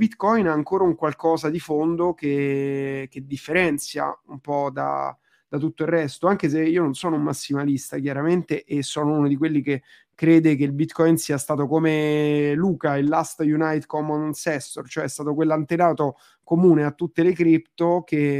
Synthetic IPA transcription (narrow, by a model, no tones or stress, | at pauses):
bit̪kɔjnaːŋkoːɾauŋkwalkɔːzad̪ifond̪oke | k̟ed̪ːifːeɾɛnt̪sja̰umpɔd̪a̰ | d̪̥at̪ut̪ːoirrɛst̪oaŋk̟es̬eiːononsɔːnoumːasːimalist̪ak̬jaɾament̪eʔesːɔːnounod̪ikwelːike | kːɾeːd̪ek̬eilbit̪kɔjnsiːast̪aːt̪okomeluːkailːast̪junajt̪kɔmɔnsɛst̪ort͡ʃoɛɛst̪aːt̪okwelːant̪enaːt̪o | komuːneat̪ːut̪ːelekɾipt̪ok̟e